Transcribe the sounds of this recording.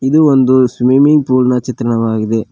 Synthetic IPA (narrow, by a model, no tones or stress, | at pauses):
ɪðɯʋɐnd̪ɯsmimɪŋɡpuːlnɐt͡ʃɐt̪ːɾɐnɐʋaːɣɪðɯ